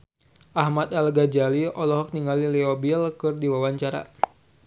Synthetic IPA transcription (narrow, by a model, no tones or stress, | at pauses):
ʔahmat̪alɡad͡ʒaliɔlɔɦɔk̚niŋaliliobilkɨrdiwawaɲt͡ʃaɾa̰